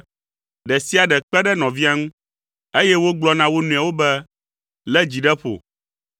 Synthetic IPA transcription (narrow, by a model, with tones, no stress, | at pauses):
ɖɛ˨si˦a˨ɖɛ˨k͡pɛ˦ɖɛ˦nɔ̃˨vi˦a˦ŋũ˦ | e˦jɛ˦wo˦ɡ͡blɔ˦nã˦wo˦nũ˨a˨wo˦bɛ˦ | lɛ˦d͡ʑi˨ɖɛ˦ɸo̰˨